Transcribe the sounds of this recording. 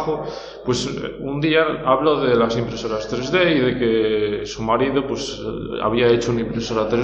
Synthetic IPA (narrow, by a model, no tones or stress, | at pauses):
o | pwe̞sund̪iaaβloðe̞lasimpɾe̞so̞ɾast̪ɾe̞zðe̞iðe̞ke̞sumaɾiðopwe̞sa̰β̞iae̞t͡ʃounaimpɾe̞so̞ɾat̪ɾe